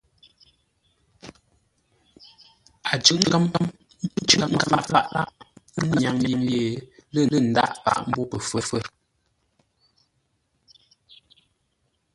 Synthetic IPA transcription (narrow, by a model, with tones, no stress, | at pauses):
a˨d͡ʒʉ˦˨ʔŋ̩˦ka˦mpa˦m̩˦ | t͡ʃʔŋ̩˦ka˦˨pa˦ʔla˦ʔn˦ɲa˨ŋje˨ŋje˨lə˦˨lə˦˨n̩˨˦da̰˦˨ʔpa̰˦˨ʔm̩˦bɔ˦pə˨fə˨fə˦˨